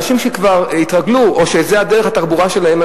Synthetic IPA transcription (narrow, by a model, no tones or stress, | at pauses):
ʃimʃekvaʁit̪ʁaɡluʔoʃezead̪eʁeχat̪aʁbuʁaʃe̞laema